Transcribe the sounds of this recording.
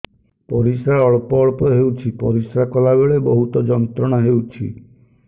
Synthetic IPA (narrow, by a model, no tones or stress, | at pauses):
pɔɾisɾaɾɔɭpɔːɭpɔɦewt͡ʃʰipɔɾisɾakɔlabeɭebɔɦut̪ɔd͡ʒɔnt̪ɾɔɽ̃aɦewt͡ʃʰḭ